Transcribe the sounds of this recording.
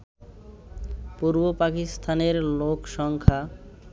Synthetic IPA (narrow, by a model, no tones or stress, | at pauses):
puɾbopakist̪ʰaneɾlokʃɔŋkʰa